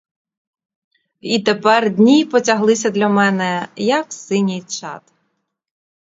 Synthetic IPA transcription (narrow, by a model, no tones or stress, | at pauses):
it̪epɛrd̪ʲnʲipɔtʲɐɦlˠɪsʲɐd̪lʲɐmɛnɛjɐksɪnʲijt͡ʃɑ̰t̪